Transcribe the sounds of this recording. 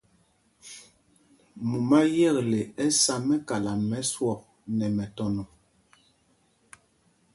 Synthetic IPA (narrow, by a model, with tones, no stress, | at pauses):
mu˨ma˦jɛ˦˨kle˨ɛ˦sa˦mɛ˦ka˨la˨mɛ˨˦swɔ˦˨k̚ | nɛ˨mɛ˨tɔ˦nɔ˨